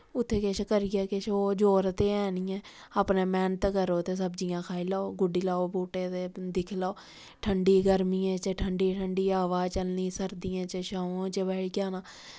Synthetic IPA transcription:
ʊt̪ʰːeːkɪt͡ʃkəɾɪjɛːkɪt͡ʃʰoːd͡ʒoːɾt̪eːɛːniːɛ̃ː | aːpneːmɛːnt̪kəɾoːt̪eːs̬əbd͡ʒijãːkʰaːiːlaːoːɡʊɖiːlaːoːbuːʈeːt̪eːd̪ɪkʰlaoː | ʈʰəɳɖiːɡəɾmiːẽːt͡ʃəʈʰəɳɖiːʈʰəɳɖiːaːʋaːt͡ʃəlniːsəɾd̪iːãːt͡ʃəʃaõːt͡ʃəbɛːʈkaːnãː

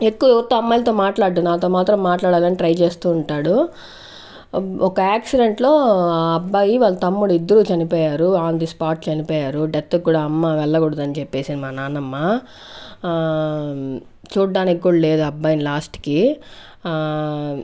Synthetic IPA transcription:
e̞kːuʋɐɛʋɐt̪ːuɐmːaːlt̪o̞ːmaːʈlaːɽʈ̪unaːt̪o̞ːmaːt̪ɾɐmːaːʈlaːɽaːlɐniʈɾɐjt͡ʃe̞ːst̪uːɳʈaːɽu | ɔkɐaːksiɖe̞ɳʈlo̞ːaɐbːaːjiʋaːɭːɐt̪ɐmːuɽuid̪ːɐɾut͡ʃɐnipɔːjaːɾuaːnd̪ispaːʈt͡ʃɐnipɔːjaːɾuɖet̪ːɐkːuːɽaːɐmːaʋɛɭːɐɡuɽud̪ɐnit͡ʃepːe̞ːsinimaːnaːnɐmːa | t͡ʃuːɖːaːnikkːuːɽɐle̞ːd̪uɐbːaːjnilaːsʈi̥ki

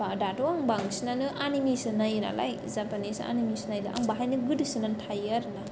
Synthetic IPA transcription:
adatoaŋbaŋsinanɯʔanimisɯnajɯna̰la̰j | zapanisa̰nimisnajlaʔa̰ŋbaɦajnɯɡɯdɯsɯnantʰajaɾɯna

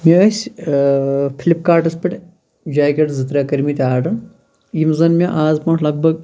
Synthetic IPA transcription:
mʲiɐsʲ | pʲʰilʲip̚kaːʈɐspʲɐʈʲ | d͡ʒaːɡʲɐʈzɨt̪ɾʲaːkɐɾmit̪ʲaːɖɨn | jimzɐnmʲeʔaːzpɐɳʈʰlɐɡ̚bɐɡ̚

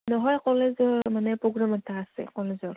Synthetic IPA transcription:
nɔɦɔjqɔlezɔɹmanɛpɹoɡɹamɔtʰaːsɛ̰qɔlezɔɹ

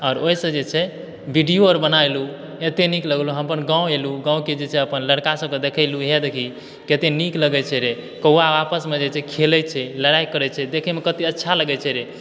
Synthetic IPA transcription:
ɔːɾoisə̃d͡ʒet͡ʃʰɛ | bʱiɖioəɾbənajlu | et̪enikləɡluɦəmpənɡãũeluɡãũked͡ʒet͡ʃʰɛəpənləɽkasəb̚ked̪ekʰəɪluɦed̪ekʰi | ket̪enikləɡɛt͡ʃʰɛɾe | kəuaapəsmed͡ʒet͡ʃʰɛkʰelɛt͡ʃʰɛləɽajkəɾɛt͡ʃʰɛd̪ekʰɛmekət̪iətːʃʰaləɡɛt͡ʃʰɛɾe

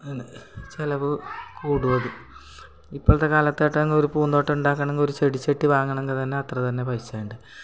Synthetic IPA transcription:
t͡ɕelɐʋɨkuːɽuʋɐðɨ | ipːoːɭɐt̪ːekaːlɐt̪ːeːʈːeɐŋɡoɾupuːnd̪o̞ːʈːeuɳɖaːkːɐɳeŋɡo̞ɾut͡ɕe̞ɽit͡ɕːeʈːiʋaːŋːɐɳeŋɡit̪ɐnːeɐt̪rɐt̪ɐnːe̞pɐjit͡ɕːaːjuɳɖɨ

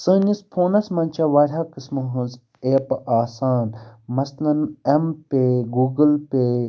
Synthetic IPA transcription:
sɨːnʲispʰoːnɐsmɐnʲt͡ʃʰɐʋɐɾʲaːkɨsmɨɦɨ̃nz | eːpʔaːsaːnmɐslɐnempeɡuːɡɨlpe

